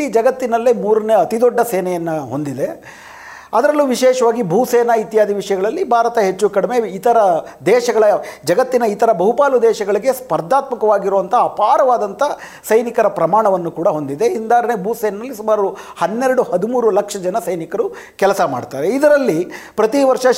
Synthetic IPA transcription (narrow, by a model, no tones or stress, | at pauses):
id͡ʒɐɡɐt̪ːinɐlːemuːɾɐneːɐt̪id̪ɔɖːɐseːnɐjɐnːɐɦo̞nd̪id̪e̞ | ɐd̪ɐɾɐlːuʋiʃɛːʃɐʋaːɡibʱuːsɛːnɐit̪jaːd̪iʋiʂɐjɐɡɐɭɐlːibʱaːɾɐt̪ɐɦe̞t͡ʃːukɐɽime̞it̪ɐɾɐd̪ɛːʃɐɡɐɭɐd͡ʒɐɡɐt̪ːinɐit̪ɐɾɐbɐɦupaːlud̪ɛːʃɐɡɐɭiɡe̞spɐɾd̪ʱaːt̪mɐkɐʋaːɡiɾoːʋɐnt̪ɐːpaːɾɐʋaːd̪ɐnt̪ɐ | sɐjnikɐɾɐpɾɐmaːɳɐʋɐnːukuːɽɐɦo̞nd̪id̪e̞ind̪aːɾɐnebʱuːsɛːnɐnɐlːisumaːɾu | hɐnːeɾɐɽuhɐd̪umuːɾulɐkʂɐd͡ʒɐnɐsɐjnikɐɾu | kɛlɐsɐma̰ːɖt̪aːɾeid̪ɐɾɐlːipɾɐt̪iʋɐɾʂɐ